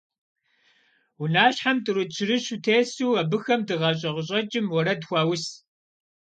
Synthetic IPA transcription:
wʊnaːɕħamtʼɨɾɨt͡ʃʰɪɾɨɕutʰeːsuːɐbɨxɐmdɨʁɐɕ̬ʼɐʁʊɕʼɐt͡ʃʼɪmwɔɾɐdxʷɑːwʊs

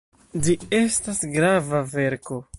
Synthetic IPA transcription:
d͡ʒie̞stasɡɾavave̞ɾko̞

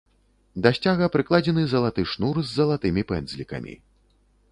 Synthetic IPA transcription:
d̪asʲt͡sʲaɣɐpɾɨklˠad͡zʲɛnɨzɐlˠat̪ɨʂnurzʲːɐlˠat̪ɨmʲipɛnd̪zʲlʲikɐ̰mʲḭ

